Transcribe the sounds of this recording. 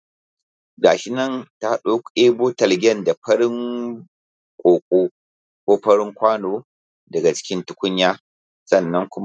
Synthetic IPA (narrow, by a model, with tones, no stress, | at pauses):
ɡaː˨ʃɪ˦nɐ˦˨nta˦ɗo˦kʷeː˦boː˦tɐ˨lɡʲɛ˦˨nda˨ɸɐ˦ɽɪ˦ŋ | kʷʼoː˨kʷʼoː˦ | kʷoː˦ɸɐ˦ɽɪ˦ŋkʷaː˦noː˦ | dɐ˨ɡa˨t͡ʃɪ̥˦kʲɪ˦ntʊ˦kʷʊ˦ɲjaː˦ | sɐ˦˨nːɐ˦ŋkʷʊ˦m˦